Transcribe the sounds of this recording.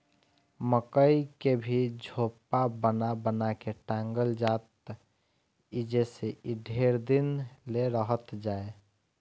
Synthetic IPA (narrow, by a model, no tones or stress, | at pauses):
məkəikebʱid͡ʒʱopabənabənakeʈãŋɡəld͡ʒaːt̪ | id͡ʒeseiɖʱeɾd̪inleɾəɦət̪d͡ʒaːe